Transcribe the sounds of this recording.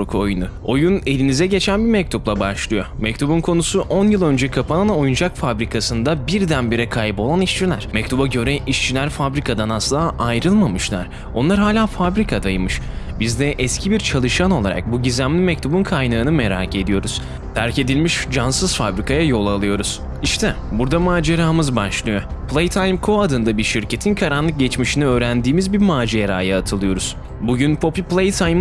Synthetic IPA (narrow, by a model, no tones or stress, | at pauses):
kʰojunʊ | ojune̞lʲinizɛɟe̞t͡ʃʰænbimɛc̚t̪ʰuplˠabaʃlˠɯjo̞mɛc̚t̪ʰubunkʰo̞nusuʔo̞njɯlˠø̞nd͡ʒɛkʰapʰananaojund͡ʒakfabɾikʰasɯnd̪abiɾd̪ænbiɾɛkʰaːjpo̞lˠaniʃt͡ʃʰilʲæɾ̥mɛc̚t̪ʰubaɟø̞ɾɛʔiʃt͡ʃʰilʲæɾfabɾikʰad̪anasɯlˠaʔajɾɯlˠmamɯʃlˠa̰ɾ̥ | o̞nlˠaɾɦaːlʲaːfabɾikʰad̪ajɯmɯʃ | bizd̪ɛʔɛscʰibiɾt͡ʃʰalˠɯʃano̞lˠa̰ɾa̰k̚buɟizʲæmlʲimɛc̚t̪ʰubunkʰajnaɯnɯmeɾa̰ːkʰe̞d̪ijo̞ɾuz̥ | t̪ʰæɾce̞d̪ilʲmiʃd͡ʒansɯzfabɾikʰajajo̞lˠalˠɯjo̞ɾuz̥ | iʃt̪ʰɛ | buɾd̪amaːd͡ʒeɾaːmɯzbaʃlˠɯjo̞plˠejt̪ʰajmkʰo̞ad̪ɯnd̪abiɾʃiɾcʰe̞t̪ʰinkʰaɾanlˠɯk̚ɟet͡ʃmiʃiniø̞ːɾænd̪iːmizbiɾmaːd͡ʒeɾa̰ːjaːt̪ʰɯlˠɯjo̞ɾuz̥ | buɟynpʰo̞piplʲˠejt̪ʰajm